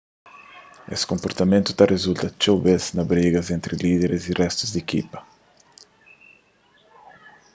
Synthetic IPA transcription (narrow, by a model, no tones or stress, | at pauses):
ḛskompoɾt̪amẽnt̪ʊ̥t̪arʔezult̪ɐt͡ʃoβesnɐβɾeɣɐzent̪ɾiliðeɾɪzirɛst̪ʊzd̪ekḭpɐ̥